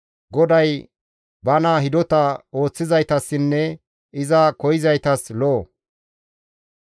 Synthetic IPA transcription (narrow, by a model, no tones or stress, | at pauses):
ɡɔd̪ɐj | bɐnaːɦɪd̪ɔt̪ɐo̞ːt͡sːɪzɐjt̪ɐsːɪnːɛ | ʔɪzɐkɔjɪzɐjt̪ɐsloː